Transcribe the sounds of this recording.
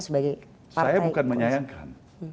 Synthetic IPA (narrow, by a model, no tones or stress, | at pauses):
səbaɡaj | saajabukanməɲajaŋka̰n